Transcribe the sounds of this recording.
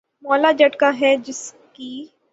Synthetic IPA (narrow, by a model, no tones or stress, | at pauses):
mɔːlad͡ʒɐʈkaɦɛd͡ʒɪskiː